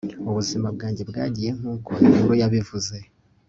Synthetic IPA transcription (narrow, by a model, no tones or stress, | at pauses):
uβuzimabɡaːɲɟe̞bɡa̰ːɟije̞ŋ̥uːkoiuɾojaβivuze̞